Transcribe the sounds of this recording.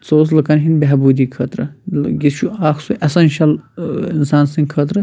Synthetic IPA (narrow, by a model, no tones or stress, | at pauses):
t͡soːs̬lɐkɐnɦinbeɦbuːd̪iːkʰɐt̪ɾɐɡist͡ʃʰuaːxsuʔɐsɐnʲʃɐlinsaːnsĩŋkʰɐt̪ɾɨ